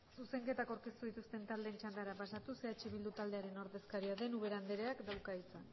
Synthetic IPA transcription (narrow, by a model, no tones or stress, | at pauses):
suse̞ŋke̞t̪akawɾke̞st̪uðit̪ust̪e̞nt̪ald̪ent͡ʃand̪aɾapasat̪useat͡ʃeβild̪ut̪ald̪e̞aɾe̞no̞ɾðe̞skaɾiaðe̞nuβ̞e̞ɾand̪eɾeakd̪awkait͡san